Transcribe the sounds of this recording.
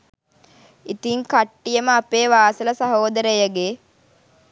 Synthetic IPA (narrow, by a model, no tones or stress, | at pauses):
it̪iŋkaʈːijəməapeːʋaːsələsɐɦoːd̪əɾəjəɡe